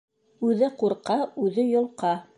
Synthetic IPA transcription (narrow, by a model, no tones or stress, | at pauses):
ʉðɘquɾqɑʉðɘjŏlˠqɑ